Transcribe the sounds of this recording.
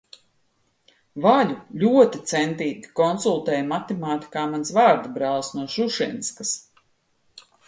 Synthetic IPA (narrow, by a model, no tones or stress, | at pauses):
vaʎʲulʲuɔt̪it̪sɛnt̪iːɡ̪ʲi̥kɔnsulˠt̪ɛːjmat̪emaːt̪i̥kaːmansvaːɾd̪abɾalˠsnuɔʃuʃinskas